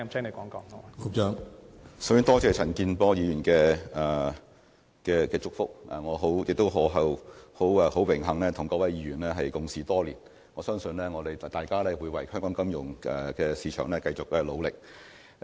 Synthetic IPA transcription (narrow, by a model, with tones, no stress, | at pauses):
t͡sʰɛː˥ŋne˨˧jkɔː˨˥ŋkɔː˨˥ŋɔ˧ko˨˥t͡ʃœː˧ŋsɐ˨˥wjy˥˧˥t̪ɔː˥t͡sɛː˨˧t͡sʰɐ˨˩nkiː˧npɔː˧jiː˨˧jyː˨˩nkɛː˧ɛ˨ | kɛː˧kɛː˧t͡sʊ˥k̚fʊ˥k̚ɛ̰˨˩ŋɔː˨˧ɦo˨˥wjɪ˨k̚t̪o˥wɦɔː˨˧ɦɐ˨who˨˥wɛ˨˧ho˨˥wɪ˨˩ŋɦɐ˨˩ŋlɛː˥t̪ʰʊ˨˩ŋkɔː˧wɐ˨˥jiː˨˧jyː˨˩nlɛː˥ɦɐ˨jkʊ˨ŋsiː˨˩t̪ɔː˥liː˨˩n | ŋɔː˨˧sœː˥ŋsɵ˧nlɛː˥ŋɔː˨˧d̪e˨jt̪aː˨jkaː˥lɛː˥wuː˨˧jwɐ˨˩jhœː˥ŋkɔː˨˥ŋkɐ˥mjʊ˨˩ŋɛ˨˩kɛː˧siː˨˧t͡ʃʰœː˨˩ŋlɛː˥kɐ˧jt͡sʊ˨k̚ɛ˧lo˨˧wlɪ˨k̚